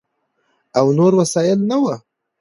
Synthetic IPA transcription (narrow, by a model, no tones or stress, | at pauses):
awnoɾwasɑjɪlnawə